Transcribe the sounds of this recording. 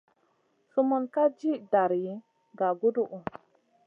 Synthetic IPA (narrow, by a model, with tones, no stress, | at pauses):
su˦mu˨nka˦d͡ʒi˦ʔda˨ɾji˨ | ɡa˨ɡu˦du˦˨ʔu˨